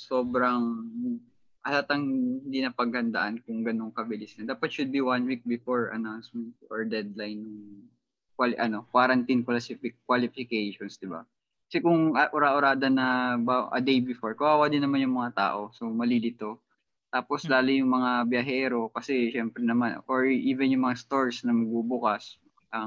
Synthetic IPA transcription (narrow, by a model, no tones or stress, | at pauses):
soːbɾɐŋ | ʔɐlat̪ɐŋhɪhɪnd̪iːnɐpɐɡ̚hɐnd̪ɐ̰ʔankʊŋɡɐno̞ŋkɐbɪlɪsnɐd̪aːpɐt̪ʃʊd̪̚biwanwik̚bɪfoɹɐ̰nawnsmɛnt̪̚oɹd̪ɛd̪lajnːʊŋ | kwalʔɐno̞kwaɾɐnt̪inkwɐlɐsifɪkːwalɪfɪkejʃonsd̪ɪba̰ | kɐ̥sɛkʊŋʔɐʔʊɾaːʔʊɾaːd̪ɐnɐbaʔɐ̰d̪ejbɪfoɹkʊʔaːwad̪ɪnːɐmanjʊŋmɐŋat̪a̰ːʔo̞so̞mɐlilɪt̪o̞ | t̪aːpo̞slaːlʊjʊŋmɐŋabjɐɦɛːɾo̞kɐsɛʃɛmpɾɛnɐmanʔoɹʔiːvɛnjʊŋmɐŋast̪o̞ɹsnɐmɐɡ̚bubʊkas | ʔɐ